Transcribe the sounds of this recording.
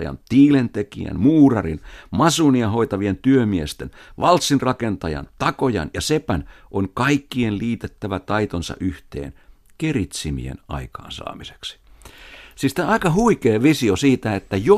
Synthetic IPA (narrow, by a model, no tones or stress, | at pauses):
jɑ̰nt̪iːlent̪ekḭæ̰nmuːrɑrinmɑsuniɑho̞it̪ɑʋient̪yømiest̪enʋɑlt̪sinrɑkent̪ɑjɑ̰nt̪ɑkojɑ̰njɑsepænʔoŋkɑikːienliːt̪et̪ːæʋæt̪ɑit̪onsɑ̰ʔyht̪ḛːn | kerit̪simḭḛnʔɑ̰ikɑ̰ːnsɑ̰ːmise̥ksi̥ | sist̪ɑikɑhuikeːʋisiosiːt̪æet̪ːæjo